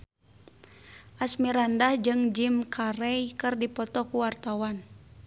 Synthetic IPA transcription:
ʔasmiɾandahd͡ʒɨŋd͡ʒimkʰaɾɛjkɨrdipɔt̪ɔkuwart̪awan

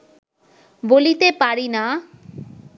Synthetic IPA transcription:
bolit̪epaɾina

